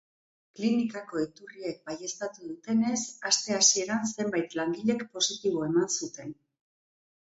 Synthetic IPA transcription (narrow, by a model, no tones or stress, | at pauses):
klinikako̞it̪urie̞k̚baje̞st̪at̪uðut̪e̞ne̞sast̪e̞asie̞ɾanse̞mbajt̪laŋɡiʎe̞kpo̞sit̪iβ̞o̞e̞mansut̪e̞n